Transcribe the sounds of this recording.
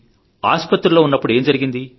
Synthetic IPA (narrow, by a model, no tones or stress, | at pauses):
a̰ːspɐt̪ːɾɐloːunːɐpːuɽe̞ːmd͡ʒɐɾiɡind̪i